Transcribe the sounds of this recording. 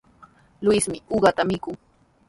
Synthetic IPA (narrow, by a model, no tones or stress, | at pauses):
lʊjsmɪuɢɑt̪amɪkʊŋ